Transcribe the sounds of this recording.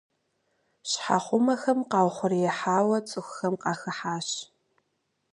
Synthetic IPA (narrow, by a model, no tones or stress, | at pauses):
ɕħa̰χʷʊmɐxɐmqɑːwχʷʊrijɛħaːwɐt͡sʼɨxxɐmqɑːxɐħaːɕ